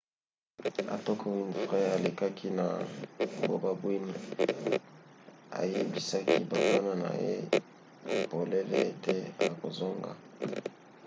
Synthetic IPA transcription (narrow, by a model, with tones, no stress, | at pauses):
a̰˨tɔ˦kʰo˦wi˦nfʁɛ˦a˨le˨ka˦kʰi˦na˨bo̰˨ba˦bwi˦ni˨ | a̰˨je˦bi˦sa˦ki˦ba˨ka˦na˨na̰˨jḛ˦˨ | bo˨le˦lḛ˦e˦te˦a˨ko˨zo˦ŋɡa̰˨